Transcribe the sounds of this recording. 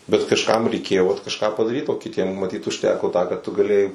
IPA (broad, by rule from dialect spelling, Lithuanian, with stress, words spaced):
bʲɛt kɐʃˈkɐm rʲɛɪˈkʲeːjoː ʋɐt kɐʃˈkɑː pɐdɐˈrʲiːt oː kʲɪˈtʲiɛm mɐˈtʲiːt ʊʃʲˈtʲæːkoː tɑː kɑː tʊ ɡɐˈlʲeːjɛɪ